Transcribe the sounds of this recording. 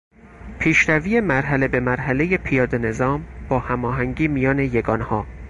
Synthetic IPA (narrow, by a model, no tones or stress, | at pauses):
pʰiːʃɾæviːemæɾɦæle̞be̞mæɾɦæle̞je̞pʰijɒːd̪e̞ne̞zɒːmb̥ɒːhæmɒːɦæŋɟiːmijɒːne̞je̞ɡɒːnhɒː